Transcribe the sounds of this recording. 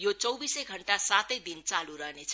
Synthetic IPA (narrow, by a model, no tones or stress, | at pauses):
jot͡sʌwbisejɡʱʌɳʈasat̪əjd̪int͡saluɾʌɦnet͡sʰ